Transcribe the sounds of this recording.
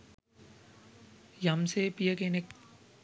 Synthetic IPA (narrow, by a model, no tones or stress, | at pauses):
jɐmsepijəkenek